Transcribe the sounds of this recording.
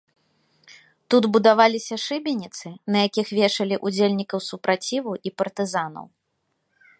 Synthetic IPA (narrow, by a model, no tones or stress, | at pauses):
t̪ud̪bud̪avalʲisʲɐʂɨbʲinʲit̪sɨnɐjakʲixvʲɛʂɐlʲiʔud͡zʲelʲnʲikɐwsupɾʔat͡sʲivuʔipɐrt̪ɨzanɐ̰w